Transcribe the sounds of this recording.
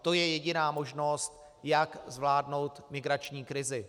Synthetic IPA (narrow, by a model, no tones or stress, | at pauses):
t̪o̞jɛjɛɟɪnaːmo̞ʒno̞st̪ | jakzvlaːdno̞wt̪mɪɡɾat͡ʃɲiːkɾɪzɪ